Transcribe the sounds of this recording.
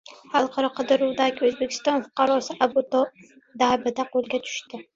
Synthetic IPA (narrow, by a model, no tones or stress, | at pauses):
halˠqʰɑɾɒqʰɨd̪ɨɾuwd̪aɡʲɪɵzbekʲʰɪ̥st̪ɒnfʊ̥qʰɑɾɒsɪʔabut̪o | d̪abɪd̪aqʰolˠɡʲat̪ʰʊ̥ʃt̪ɪ